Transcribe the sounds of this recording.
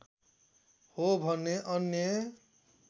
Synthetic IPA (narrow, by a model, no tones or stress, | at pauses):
hobʱʌnːeʔʌnje